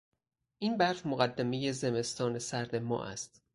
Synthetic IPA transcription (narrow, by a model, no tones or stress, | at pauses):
ʔiːnbæɾfmoɣæd̪ːæme̞je̞zeme̞st̪ɒːnesæɾd̪e̞mɒ̰ːʔæ̰st̪